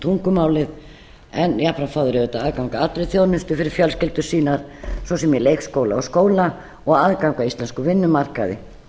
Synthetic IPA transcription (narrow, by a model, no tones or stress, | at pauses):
t̪ʰuŋkʏmaːwlɪð | ɛnjapɾanfaːðʏɾɛðɪt̪aaðkawŋkaat̪ːɾejθjoːwnɪnst̪ʏfɪɾɪɾ̥fjœlscɪlt̪ʏsiːnaɾ̥sɔsɛmjɛlejkskoːwla̰ɔskoːwla | ɔɣaðkawŋkaist̪lɛnskʏvɪnːʏmar̥kaðɪ̰